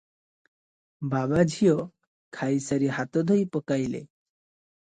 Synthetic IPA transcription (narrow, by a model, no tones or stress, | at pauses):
babad͡ʒʱijɔ | kʰajsaɾiɦat̪ɔd̪ʱɔjpɔkajlḛ